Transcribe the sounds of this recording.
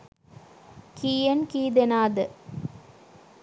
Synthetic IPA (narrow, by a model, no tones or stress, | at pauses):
kiːjɐnkiːd̪enaːd̪ɯ